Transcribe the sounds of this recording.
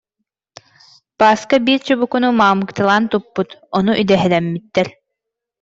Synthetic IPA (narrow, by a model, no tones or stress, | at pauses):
paːskabiːɾt͡ɕubukunumaːmɯkt̪ɯlˠaːnt̪upːut̪ɔnuʔyd̪ɛɦɛlɛmːit̪ːɛɾ